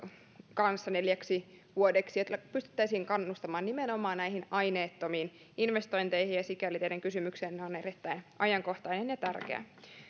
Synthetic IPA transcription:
kɑnsːɑne̞ljæksiʋuodeksijot̪ːɑpyst̪y̥t̪ːæisiːŋkɑnːust̪ɑmɑːnimenomɑːnnæijɦinɑjneːt̪ːo̞miːn | inʋest̪o̞jnt̪e̞jhinjɑsikælit̪eideŋkysymykseːnːeonerit̪ːæjnʔɑjɑŋko̞ht̪ɑjnenjɑt̪ærkḛæ̰

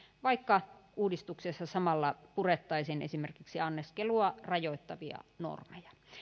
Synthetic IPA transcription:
ʋɑikːɑuːdist̪uksesːɑsɑmɑlːɑpuret̪ːɑisinʔḛsimerkiksiɑnːeskeluɑrɑjoit̪ːɑʋiɑ̰no̰rmejɑ

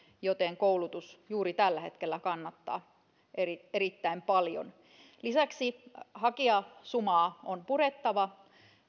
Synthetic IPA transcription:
jot̪eŋkoulut̪usjuːɾit̪ælːæhet̪kelːækɑnːɑt̪ːɑ̰ː | ʔerieɾit̪ːæimpɑljo̰n | lisæksihɑkiɑsumɑːonpuɾet̪ːɑʋɑ

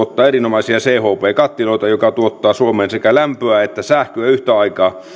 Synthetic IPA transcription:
ot̪ːɑːerinomɑisiɑseːhoːpeːkɑt̪ːiloˑit̪ɑjokɑt̪uot̪ːɑːsuomeːnsekælæmpøæet̪ːæsæhkøæyht̪æɑikɑː

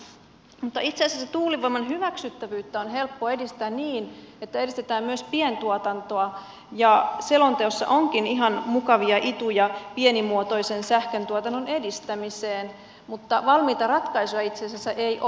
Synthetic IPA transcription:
mut̪ːɑit̪seɑsæsːet̪uːliʋoimɑnɦyʋæksyt̪ːæʋyːt̪ːæonɦe̞lpːoe̞dist̪æːnniːn | et̪ːæedist̪et̪æːmmyøspient̪uot̪ɑnt̪oɑ | jɑselont̪eosːɑ̰ʔoŋkiniɦɑnmukɑʋiɑʔit̪ujɑpienimuot̪oisensæhkønt̪uot̪ɑnːone̞dist̪æmiseːn | mut̪ːɑʋɑlmiːt̪ɑrɑt̪kɑisojɑit̪seɑsæsæʔej

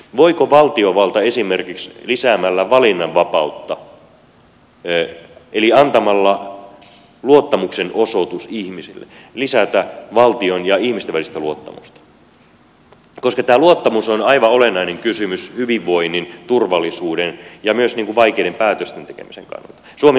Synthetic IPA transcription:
ʋoikoʋɑlt̪ioʋɑlt̪ɑesimerkikslisæːmælːæʋɑlinːɑʋʋɑpɑut̪ːɑ | eliɑnt̪ɑmɑlːɑ | luot̪ːɑmuksenosot̪usihmisilːḛlisæt̪æʋɑlt̪ionjɑihmist̪eʋælist̪æluot̪ːɑmṵst̪ɑ̥ | koskɑt̪æːluot̪ːɑmusonɑiʋɑolenːˑɑineŋkysymyshyʋiʋʋoinːint̪urʋɑlːˑisuːɾenjɑmyøsniːŋkuʋʋɑikeidempæːt̪øst̪ent̪ekḛmisḛŋkɑ̰nːɑ̰lt̪ɑ̥suome

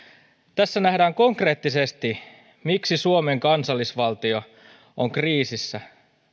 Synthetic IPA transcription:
t̪æsːænæhdæːŋko̞ŋkre̞ːt̪ːisest̪i | miksisuome̞ŋkɑnsɑlːisʋɑlt̪io̞ | oŋkriːsisːæ

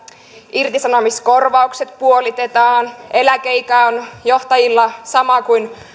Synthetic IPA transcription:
irt̪isɑnomisko̞rʋɑukset̪̚puolit̪et̪ɑːne̞lækeikæonjo̞ht̪ɑjilːɑsɑmɑkujn

